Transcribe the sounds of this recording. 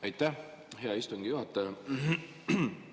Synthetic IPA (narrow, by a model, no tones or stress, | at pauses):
ejt̪ˑːæh | he̞ɑist̪uŋɡ̥ijuɦɑt̪ˑːɑjɑ